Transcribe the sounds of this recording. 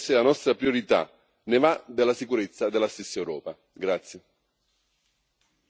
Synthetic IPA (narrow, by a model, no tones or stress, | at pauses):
sɪlanɔst̪ɾapɾioɾit̪a̰ | nevad̪elːasikuɾet̪sːad̪elːast̪esːaewɾɔ̰ːpa | ɡɾat̪sːje